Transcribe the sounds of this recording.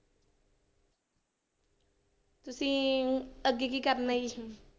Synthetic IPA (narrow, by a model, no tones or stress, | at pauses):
t̪usi | əɡikikarnaj